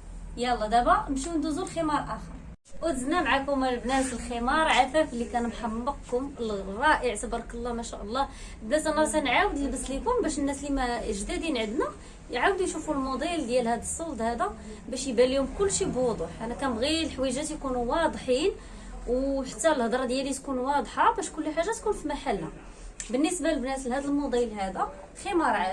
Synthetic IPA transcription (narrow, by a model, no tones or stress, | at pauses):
jælːɑd̪æbæmʃiənd̪uzulximɑɾˤʔæxəɾˤ | ʔʊt̪əznæmʕakʊmlbnæfəlximɑɾˤʕafæfəlːikænmħɑbːəq̚kʊmlrˤːɑʔəʕsæbɑɾˤkəlˤːɑmæʃæʔəlˤːɑ | blæt̪ʔænːsænʕawəd̪əlbəslikʊmbæʃənːæslimæʒd̪æd̪inʕəd̪næ | jʕawd̪jʃufulmod̪ˤild̪jælhæd̪əsˤːɑld̪ˤhæd̪æ | bæʃjbælihʊmkʊlːʃibod̪ˤʊħʔænækæɣilħwæjʒæt̪jkunuwɑd̪ˤħin | wħat̪ːælhəd̪ɾˤɑd̪jælit̪kunwɑd̪ˤħɑbæʃkʊlːiħaʒːat̪kunfimaħalːa | bənːisbalbnæslhæd̪əlmod̪ˤilhæd̪æ | ximɑɾˤʕ